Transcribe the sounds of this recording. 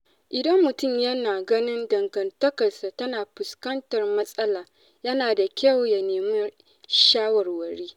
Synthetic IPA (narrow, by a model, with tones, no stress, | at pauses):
ʔɪ˨dɐ˦mːʊ˨tʊ˦˨mjɐ˦naː˨ɡɐ˦nɪ˦ndɐ˨ŋɡɐ˨ntɐ˦kɐ˨rsa˨tɐ˦naː˨ɸʊ˨skɐ˦ntɐ˨rmɐ˦sʼɐ˦laː˨ | jɐ˦naː˨da˨kʲɐ˦˨wja˨neː˨mʊ˦ | ʃaː˦wɐ˨rwɐ˨ɾeː˦